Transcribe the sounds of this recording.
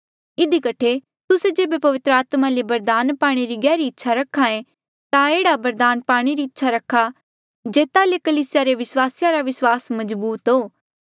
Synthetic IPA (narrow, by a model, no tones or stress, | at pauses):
ɪd̪ikɐʈʰe | t̪ʊsed͡ʒeːbepɐʋɪt̪ɾəaːt̪malebɐɾd̪aːnpaːɽ̃eɾiɡɛːɾiɪtːʃʰaɾɐkʰːaẽ | t̪aeːɽabɐɾd̪aːnpaːɽ̃eɾiɪtːʃʰaɾɐkʰːa | d͡ʒeːt̪alekɐliːsɪjaɾeʋɪswaːsɪjaɾaʋɪswaːsmɐzbuːt̪ɦoː